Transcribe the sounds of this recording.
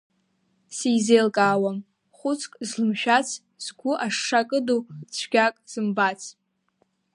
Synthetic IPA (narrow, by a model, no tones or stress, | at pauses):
sijzejlkʼaːwam | χʷʊt͡sʰʼkʼzlɨmʃᶣat͡sʰ | z̥ɡʷʊʔaʂːakʼɨdut͡sʷʰɡ̥ʲakʼz̥ɨmbat͡sʰ